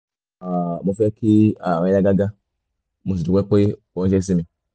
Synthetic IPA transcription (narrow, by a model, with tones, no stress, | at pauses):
a˨mo˨fe˦ki˦a˨a˨˦ja˦ɡa˦ɡa˦ | mu˨s̬i˨du˨kʷk͡po˦i˦ | o˦d͡ʒe˦ks̬i˦mi˨